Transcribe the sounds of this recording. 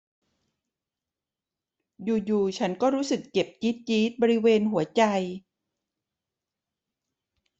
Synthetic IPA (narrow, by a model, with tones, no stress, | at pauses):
juː˨˩juː˨˩t͡ɕʰa˦˥nkɔː˥˩ɾuː˦˥sɯ˨˩kːe˨˩p̚t͡ɕi˦˥t̪̚t͡ɕiː˦˥t̪̚bɔː˧ɾi˦˥weː˧nɦu˩˦ɐt͡ɕa˧j